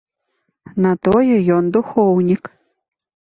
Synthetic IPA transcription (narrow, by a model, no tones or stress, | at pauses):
nat̪ojɐjond̪uxownʲik